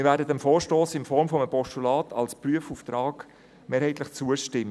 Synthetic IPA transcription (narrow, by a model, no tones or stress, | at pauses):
ɪɾvæːɾdədɛmfoːɾʃtoːsɪnfɔɾmfɔməpɔʃtulɑːtʰɑ̰lspryəfuft̪ɾɑːk | meːɾhɛɪtlɪχt͡suəʃtɪm